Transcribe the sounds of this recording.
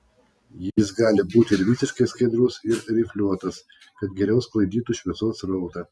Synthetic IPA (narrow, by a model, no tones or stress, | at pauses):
jɪs̬ɡɑːlʲɪbuːt̪ʲɪɪɾʋʲɪsʲɪʃkɐɪskɐɪd̪ɾʊsɪɾɾʲɪfʲlʲuɔt̪ɐs | kɐt̪ɡʲɛɾʲɛʊsklˠɐɪd̪ʲiːt̪uʃʲʋʲɛsoːsɾɔʊt̪ɐ